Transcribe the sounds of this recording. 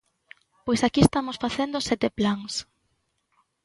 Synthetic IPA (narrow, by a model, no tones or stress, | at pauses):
pojsakiest̪amosfaθend̪ʊsɛt̪eplaŋs